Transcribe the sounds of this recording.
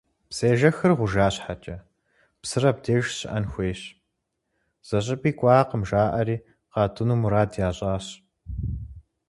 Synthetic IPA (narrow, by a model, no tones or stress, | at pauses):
pseːʒɐxɨrʁʷʊʒaːɕħat͡ʃʼɐ | psɨrɐb̚deːʒɕɪ̰ʔɐnxʷeːɕ | z̥ɐɕʼɪpʼiːkʷʼɑːqəmʒaːʔɐɾiː | qɑːtʰʊnumuɾaːdjaːɕʼaːɕ